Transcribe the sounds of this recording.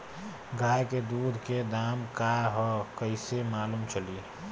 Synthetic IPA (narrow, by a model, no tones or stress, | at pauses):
ɡaːjked̪uːd̪ʱked̪aːmkaɦɔkəɪsemaːluːmt͡ʃəli